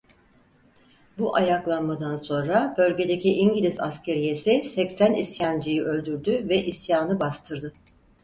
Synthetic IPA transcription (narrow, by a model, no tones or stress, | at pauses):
buʔajaklˠanmad̪anso̞nɾabø̞lʲɟe̞d̪ecʰiʔiɲɟilʲiza̰scʰe̞ɾije̞sisɛcsænisjand͡ʒijiʔø̞lʲd̪yɾd̪yvɛʔisjaːnɯbast̪ʰɯɾd̪ɯ